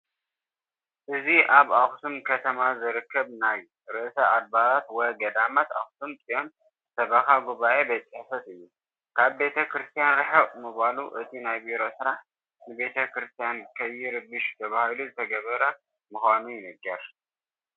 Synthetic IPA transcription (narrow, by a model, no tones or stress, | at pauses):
ʔɨziʔaβaxsumkʰɐt̪ʰɐmazɨɾɨkʰːɐβnaj | ɾɨʔsɐad̪̚baɾat̪wɔjɡɐd̪amat̪a̰xt̪umt͡sʼijo̞n | sɐβɐxaɡuβaʔe̞bɐt͡sʼiħfɐt̪ɨjːu | kʰaβbe̞t̪ʰɐkɾɨst̪ʰijanɾɨħɐwmɨβaluʔɨt̪ʰinajbiɾo̞sɨɾaħ | nɨbe̞t̪ʰɐkɾɨst̪ʰijankʰɐjːɪɾɨbɨʃt̪ʰɐβahɨluzɨt̪ʰɐɡɐβɐɾɐ | mɨxʷanujɪnɨɡːɐɾ